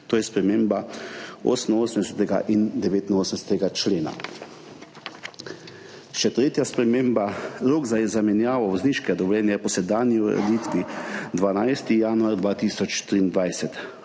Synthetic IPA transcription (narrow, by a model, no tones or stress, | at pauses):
t̪oːjɛspɾɛmeːmbao̰ːsənoːsəmd̪ɛsɛt̪ɛɡa̰ʔind̪ɛʋeːt̪inoːsəmnɛsɛ̥t̪ɛɡat͡ʃleːna̰ | ʃɛt̪ɾeːt̪jaspɾɛmeːmbaɾoːɡzazamɛnjaːʋɔʋɔzniːʃkɛd̪ɔblɛːnjɛpɔsɛd̪aːnjiuɾɛ̰d̪it̪ʋid̪ʋanajst̪ijaːnuaɾd̪ʋaːt̪iːsɔt͡ʃt̪ɾiːnd̪ʋajsɛt̪